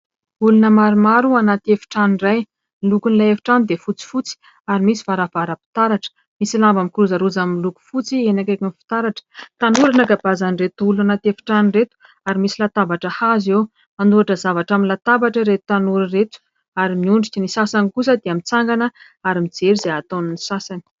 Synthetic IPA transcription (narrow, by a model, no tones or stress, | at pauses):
ulunəmaɾumaɾuanat̪iefi̥ʈ͡ʂanraj | ilukunilaefi̥ʈ͡ʂand̪efut͡si̥fut͡si̥ | aɾimisi̥vaɾavaɾapi̥t̪aɾaʈ͡ʂə̥ | misilambamikiɾuzaɾud͡zamiluku̥fut͡sienakakunfi̥t̪aɾaʈ͡ʂə̥t̪anuɾanakabazaniret̪ulanat̪efi̥ʈ͡ʂaniret̪u̥ | aɾimisilat̪avaʈ͡ʂəhazew | anuɾaʈ͡ʂəzavaʈ͡ʂaminlat̪avaʈ͡ʂəɾet̪u̥t̪anuɾiret̪u̥ | aɾimiuɳɖ͡ʐikʲənisasanikus̬əd̪eamit͡saŋɡanə | aɾimid͡zeɾizeat̪onunisasani̥